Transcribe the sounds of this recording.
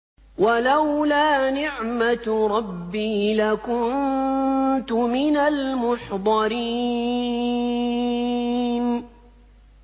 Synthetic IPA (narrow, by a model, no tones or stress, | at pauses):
walawlaːnɪʕmat̪ɾˤɑbːiːlakʊnn | t̪ʊmɪnalmʊħd̪ˤɑɾiː | n